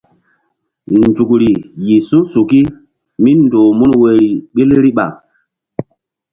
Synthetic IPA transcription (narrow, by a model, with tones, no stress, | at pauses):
n˨d͡ʒu˨kɾi˨ji˨sũ˦su˨ki˦ | mi˦n˨doː˨mu˦nwe˨ɾi˨ɓi˦lɾi˦ɓa̰˨